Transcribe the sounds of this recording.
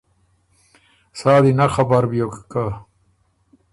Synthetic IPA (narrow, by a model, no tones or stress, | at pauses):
saːd̪inaxɐbaɾbjokka